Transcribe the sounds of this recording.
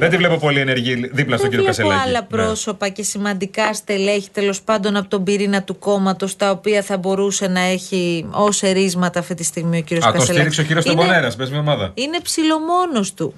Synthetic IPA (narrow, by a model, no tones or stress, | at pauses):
ðet̪ivle̞popo̞lieneɾʝiðiplɐst̪ociɾiokɐselɐɐlɐpɾo̞so̞pɐce̞simɐnd̪ikɐst̪e̞le̞çi̥t̪e̞lo̞spɐnd̪o̞nɐpot̪o̞mbiɾinɐt̪uko̞mɐt̪o̞st̪ɐopiɐθɐbo̞ɾuse̞nɐe̞çio̞se̞ɾizmɐt̪ɐːft̪it̪ist̪iɣmio̞ciɾiosksonsetliɾikseociɾiosobɐneɾɐsmbezmiɐomɐðɐ̰ine̞psilo̞mo̞no̞st̪u